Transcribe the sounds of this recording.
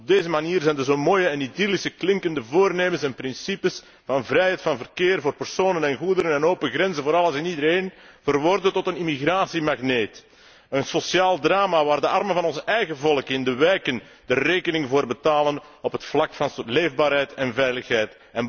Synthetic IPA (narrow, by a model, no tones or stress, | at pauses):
ɔb̚deːzəmaniːrzɛjndəzoːmoːjəɛnidilisəklɪŋkəndəvoːrneːməsɛnprɪnsipəs | vɑnvrɛjɦɛjtfɑnvərkeːrvoːrpɛrsoːnənɛnɣudəɾənɛnoːpəɣrɛnzənvoːɾɑlˠəsɪnidəɾeːnvərʋɔrdətɔtənimiɣraːsimaɣneːt | ənsɔsjaːlˠdraːmaʋaːrdəɑrmənvɑnɔnzɛjɣəvɔlˠəkɪndəʋɛjkən | d̥əreːkənɪŋvoːrbətaːlən | ɔpɦətflɑkfɑnleːvbaːɾɦɛjtɛnvɛjləxɦɛjt | ɛn